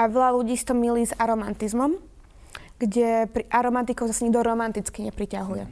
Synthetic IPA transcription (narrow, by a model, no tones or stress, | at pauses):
aʋɛlaluɟiːsi̥t̪ɔmiliːzaɾɔmant̪izmɔm | ɡ̥ɟɛpɾiʔaɾɔmant̪̬ikɔʊzasaɲiɡd̪ɔɾɔmant̪it͡skiɲɛpɾicaɦujɛ